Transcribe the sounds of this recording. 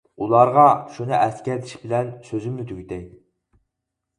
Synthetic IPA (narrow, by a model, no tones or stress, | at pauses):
ulˠɑɾʁɑʃunɨʔɛskʲɛɾt̪ʰɪ̥ʃbɪlɛnsøzymːɪt̪ʰyɡʲit̪ʰɛjd̪